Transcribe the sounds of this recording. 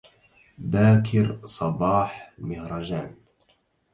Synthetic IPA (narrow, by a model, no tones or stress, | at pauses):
baːkʰɪɾsˤɑbɑːħmɪhɾˤɑd͡ʒaːn